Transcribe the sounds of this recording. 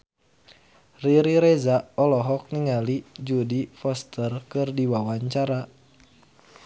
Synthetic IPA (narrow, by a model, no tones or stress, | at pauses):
riɾiɾezaɔlɔɦɔk̚niŋalid͡ʒudifɔst̪ərkɨrdiwawaɲt͡ʃaɾa